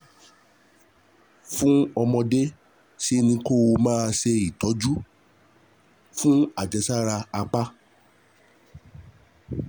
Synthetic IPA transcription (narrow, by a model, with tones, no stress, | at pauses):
fũ˦ɔ˧mɔ̃˧de˦ | si˦nĩ˧˦ko˦o˧mãː˦˧ʃe˧i˨tɔ˨˦d͡ʒu˦ | fũ˦a˦˨d͡ʒɛ˧sa˦ɾa˧a˧k͡pa˦